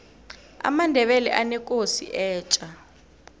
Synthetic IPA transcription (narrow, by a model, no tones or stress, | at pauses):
a̰mandʱɛɓɛlɛ̰ʔanɛkʼosḭʔɛːt͡ʃʼa